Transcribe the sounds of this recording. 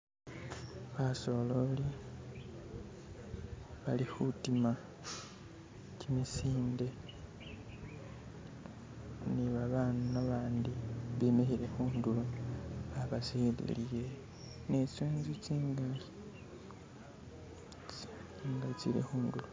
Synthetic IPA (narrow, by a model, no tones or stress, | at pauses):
βaso̞lo̞li | βalihutima | cimisiːnde̞ | niβaβanunaβaːndiβemihiɾe̞xuːndulu | aβasilḭlije | neseːnzit͡siːŋɡa | iŋɡait͡sḭɾe̞̰xuːndulu